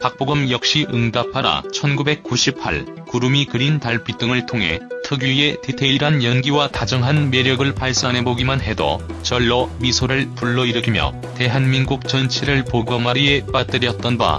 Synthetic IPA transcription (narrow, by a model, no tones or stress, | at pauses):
pak̚p͈oɡɯmjʌk̚ɕ͈iʔɯŋdapʰaɾa̰t͡ɕʰʌnɡube̞k̚k͈uɕʰipʰa̰ɭ | kuɾumikɯɾintaɭp͈it͈ɯŋɯɭtʰoŋɦe̞̰tʰɯɡjue̞titʰeiɾanjʌnɡiwatad͡ʑʌŋɦanme̞ɾjʌɡɯɭpaɭs͈ane̞boɡimanɦe̞dʌ̰t͡ɕʌɭːʌmisʰoɾɯɭpuɭːʌiɾɯkʰimjʌ̰ | te̞ɦanminɡuk̚t͡ɕʌnt͡ɕʰiɾɯɭpoɡʌmaɾie̞p͈at͈ɯɾjʌt̚t͈ʌnba̰